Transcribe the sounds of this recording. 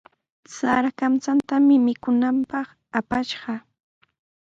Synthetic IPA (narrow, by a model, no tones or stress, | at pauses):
saɾakamt͡sant̪amɪmɪkʊnampɑχ | apaʃɢɑ